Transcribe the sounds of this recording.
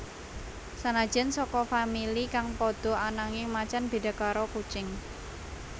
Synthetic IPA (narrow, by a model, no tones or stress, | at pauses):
sanḁd͡ʒ̥ɛ̤nsɔkɔfamilikaŋpɔd̪̥ɔ̤anaŋɪmat͡ʃanb̥e̤d̪a̤kaɾɔkut͡ʃɪŋ